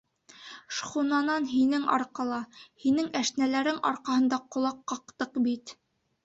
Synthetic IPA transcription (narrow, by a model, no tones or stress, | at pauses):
ʃχunɑnɑnɦinɘŋɑ̰ɾqɑlˠɑhinɘŋæʃnælæɾɘŋɑ̰ɾqɑhɤ̆nd̪ɑqŏlˠɑqːɑq̚t̪ɤqbit̪